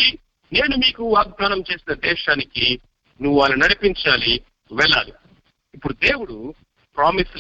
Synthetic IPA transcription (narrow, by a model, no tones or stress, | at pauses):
i | ne̞ːnumiːkuaːɡ̚d̪aːnɐmt͡ʃe̞ːsinɐd̪ɛːʃaːniki | nuʋuʋaːlːɐnɐɽipiɲt͡ʃaːli | ʋɛɭːaːli | ipːuɽud̪eːwuɽu | pɾaːmis